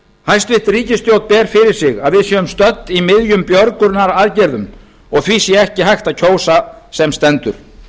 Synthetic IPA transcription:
hajst̪vɪht̪riːcɪst̪jowt̪̚pɛːɾ̥fɪɾɪɾ̥sɪɣaðvɪðsjɛːʏmst̪œt̪nimɪðjʏmpjœɾkʏɾnaɾaðcɛɾðʏm | ɔɣθviːsjɛɛhcɪɦajxt̪aðcʰoːwsasɛmst̪ɛnt̪ʏɾ̥

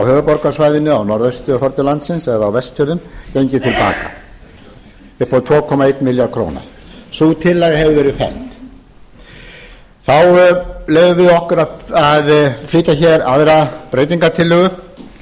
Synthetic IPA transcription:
awhœːvʏpɔɾkasvaːjðɪnːʏawnɔɾðœɥst̪ʏhɔɾt̪ʏlant̪sɪnsɛðawvɛst̪fœɾðʏncejɲcɪt̪ʰɪlpa̰ːka̰ | ɪpʰɔt̪ʰɔːkʰɔmaejt̪mɪljaɾkʰɾo̰ːwna̰sut̪ʰɪlːɛːɣahɛvʏvɛːɾɪfɛ̰lt̪ | θawleːjvʏvɪðɔhkʏɾaðaðfliːt̪açɛɾa̰ðvɛːɾapɾejt̪̬iŋkat̪ʰɪlːʏːɣʏ

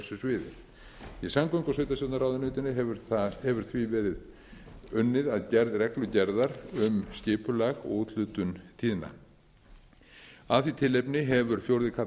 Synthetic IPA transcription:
sʏsvɪːðɪ̰ | isaŋkʏjŋkasœːjt̪asjɔwt̪naɾaːwðɪnʏːt̪ɪnɪɛɾθhɛvʏɾ̥θvivɛːɾɪð | ʏnːɪðaðcɛɾðrɛklʏcɛɾðaɾʏmscɪːpʏlaɣut̪ʰlʏːt̪ʏnt̪ʰiːðɪna̰ | aðθit̪ʰɪlːejpnɪɦɛvʏɾ̥fjowɾðɪkʰa

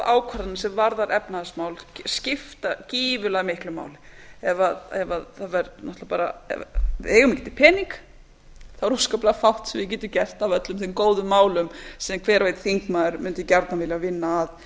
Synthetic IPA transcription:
aːwkʰaɾat̪nasɛmvaɾðaɾʔɛpnaðɪsmaːwlscɪft̪aciːvʏlaɣmɪhklʏma̰ːwlɪ̥ɛvaðɛvaðθaðvɛɾnɔht̪lapaːɾa̰ɛ̰ɛːɣʏmcɛːt̪ɪ̥pʰɛːniŋk | θaɾuskaplaɣfawht̪sɛmvɪcɛːt̪ʏcɛl̥t̪avœt̪lʏmθmkoːwðʏmːaːwlʏmsɛkʰvɛːɾveːjt̪θiŋkmaðʏɾmʏnt̪ʏcaɾt̪navɪːljavɪnːaːð

